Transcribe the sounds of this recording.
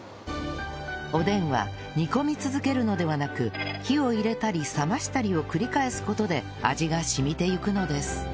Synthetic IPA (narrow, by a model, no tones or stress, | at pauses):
o̞d̪ẽ̞ɰ̃βa̰ | ɲʲiko̞mʲit͡sɨzɨke̞ɾɯ̟no̞d̪e̞βanakɯ̟kʲio̞iɾe̞t̪aɾʲisamaɕi̥t̪aɾʲio̞kɯ̟ɾʲikae̞sɨ̥ko̞t̪o̞d̪e̞ | a̰ʑiɡaɕimʲit̪e̞jɯ̟kɯ̟no̞d̪e̞sɨ̥